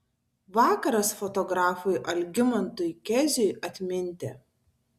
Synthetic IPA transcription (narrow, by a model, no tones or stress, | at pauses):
ʋɑːkɐɾɐsfɔt̪ɔɡɾɑːfʊjʔɐlʲɡʲɪmɐnt̪ʊjkʲɛzʲʊjʔɐt̪ʲmʲɪnʲt̪ʲeː